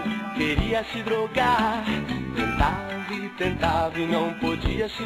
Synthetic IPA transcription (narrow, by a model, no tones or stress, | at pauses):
keɾiɐsɪd̪ɾoɡaɾt̪ẽnt̪avit̪ẽnt̪avinɐ̃w̃pod͡ʒiɐsi